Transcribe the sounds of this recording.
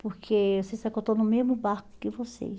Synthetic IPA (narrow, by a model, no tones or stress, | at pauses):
poɾkʰeosesakot̪õnʊmezmʊbaɾkʊ̥kɪvosḛ